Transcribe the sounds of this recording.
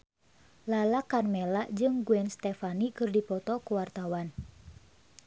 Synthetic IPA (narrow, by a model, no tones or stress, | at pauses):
lalakarmɛlaʔd͡ʒɨŋɡuɛnst̪ɛfanikɨrdipɔt̪ɔkuwart̪awan